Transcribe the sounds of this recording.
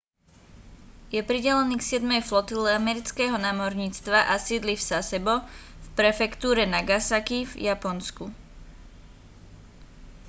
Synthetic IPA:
jɛpɾiɟɛlɛniːksɪɛd̪mɛjflɔt̪ilɛamɛɾit͡skɛːɦɔnaːmɔɾɲiːt͡st̪ʋaʔasiːd̪lifsasɛbɔfpɾɛfɛkt̪uːɾɛnaɡasakivjapɔnsku

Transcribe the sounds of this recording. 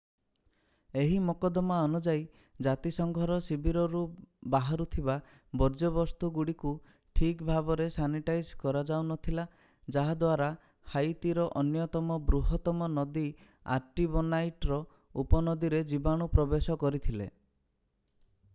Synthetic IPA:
eɦimɔkɔd̪ɔmaɔnud͡ʒai | d͡ʒat̪isɔŋɡʱɔɾɔsibʱiɾɔɾubaɦaɾut̪ʰiba | bɔɾd͡ʒɔbɔst̪uɡuɽiku | ʈʰikbʱabɔɾesaniʈajd͡ʒkɔɾad͡ʒawnɔt̪ʰila | d͡ʒaɦad̪waɾa | hajt̪iɾɔʔɔnjɔt̪ɔmɔbɾuɦɔt̪ɔmɔnɔd̪i | a̰ɾʈibɔnajʈɾɔ | upɔnɔd̪iɾed͡ʒibaɽ̃upɾɔbesɔkɔɾit̪ʰilḛ

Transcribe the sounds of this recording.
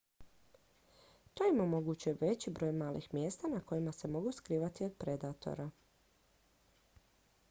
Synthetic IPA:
t̪oimomo̞ɡut͡ɕujeʋe̞t͡ɕibɾo̞ːjmaːlḭxmjeːst̪anako̞jimase̞mo̞ɡuskɾiːʋat̪io̞d̪̚pɾe̞d̪at̪o̞̰ɾa

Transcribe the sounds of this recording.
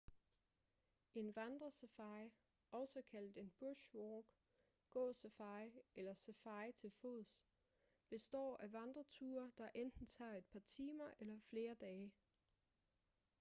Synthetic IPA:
ʔe̝nʋɑnd̥ʁɐsefɑ̈ɪ | ʔɒ̽sɒkʰæl̰d̥e̝nb̥uɐɕʋɒːɡ̥ | ɡ̥ɔ̰̽ːsefɑ̈ɪelɐsefɑ̈ɪt͡sʰe̝lfoð̩ˠs | b̥e̝sd̥ɒ̰ːæʋɑnd̥ʁɐt͡sʰuːɐd̥ɑ̈ʔend̥n̩t͡sʰɑ̰̈ːe̝d̥̚pʰɑ̈t͡sʰiːmɐʔelɐfle̝ːɐd̥ɛː

